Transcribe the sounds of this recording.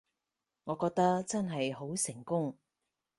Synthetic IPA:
ŋɔː˨˧kɔː˧k̚t̪ɐ˥kt͡sɐ˥nɦɐ˨jɦo˨˥wsɪ˨˩ŋkʊ˥ŋ

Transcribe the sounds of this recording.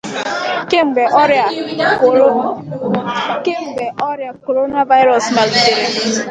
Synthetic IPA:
ke˦ŋ͡m̩˨ɡ͡be˨ʔɔ˦ɾja˨ko˨ɾo˦ | ke˦ŋ͡m̩˨ɡ͡be˨ʔɔ˦ɾja˨ko˨ɾo˦na˦va˦ɪ˦ɾɔ˨sma˨lde˦ɾa˨

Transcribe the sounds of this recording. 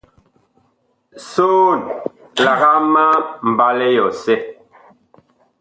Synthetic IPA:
soː˦˨n | la˨ɣa˦ma˦m̩˨ba˦lɛ˦jɔ˨sɛ˦

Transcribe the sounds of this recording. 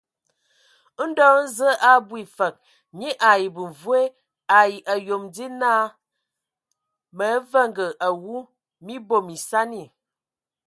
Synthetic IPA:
n̩˦dɔ˦n̩˦zə˦ʔa˦bwi˨fə˨k̚ | ɲi˦ʔa˨ji˨bu˨vwe˦ | a˨i˨ʔə˨jo˨mdi˦naː˦ | mə˨˦və˦ŋɡə˨ʔa˨wu˦ | mi˦bo˦˨mi˨sa˦ni˨

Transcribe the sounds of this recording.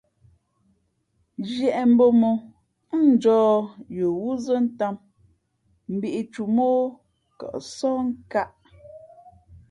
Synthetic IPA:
d͡ʒjɛ˨ʔɛ˨m̩˦bo˦mo˨˦ | n̩˨d͡ʒɔː˦jo˨wu˦zə˦n̩˦ta˦˨m | m̩˨bi˨ʔi˨t͡ʃu˨mo˦ | kɔ̰˨ʔsɔ˦ŋ̩˦ka˦ʔ

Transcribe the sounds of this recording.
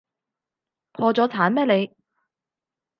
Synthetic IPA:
pʰɔː˧t͡sɔː˨˥t͡sʰaː˨˥nmɛː˥le˨˧j

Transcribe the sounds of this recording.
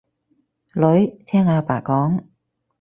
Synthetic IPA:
lɵ˨˥ɥt̪ʰɛː˥ŋaː˧pa̰ː˨˩kɔː˨˥ŋ

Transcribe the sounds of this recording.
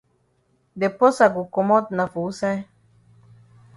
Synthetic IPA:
d̪e˨pɔ˦sa˨ɡu˨kɔ˨mɔ˦t̪̚na˨fu˨˦sa˦

